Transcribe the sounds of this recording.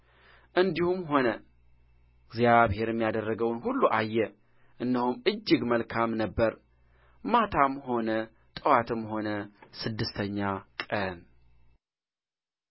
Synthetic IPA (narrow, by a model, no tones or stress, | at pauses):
ʔɨnd̪ihumɦo̞nə | ɡzjaβhe̞ɾɛmːijad̪ərːəɡəwnɦulːuʔajːɛ | ʔɨnd̪əhumɨd͡ʒːɪɡməlkʰamnəbːəɾ | mat̪ʰamho̞nə | t̪ʼəwat̪ʰɨmho̞nəsɨd̪ːɨst̪ʰəɲːakʼən